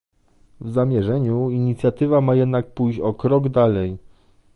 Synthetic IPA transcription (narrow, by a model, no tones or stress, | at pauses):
vzamʲjɛʐɛɲuiɲit̪sʲjat̪ɘvamajɛd̪nak̚pujɔkɾɔɡd̪alɛj